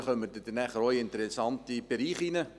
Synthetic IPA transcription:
χœmədɛd̥ɛnæχəɾɔʏɪntəɾɛsɑntib̥eɾiːχinə

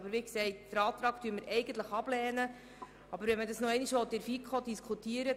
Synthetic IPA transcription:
bəɾʋiːksɛɪtd̥əɾɑːt̪ɾɑːktyəməɾɛɪɡən̩t̪ləχɑb̥lɛːnə | ɑbəɾʋɛnmədɑsnɔɛɪniʃʋɔt̪ɪɾfikʰod̪iskʰutiːəɾə

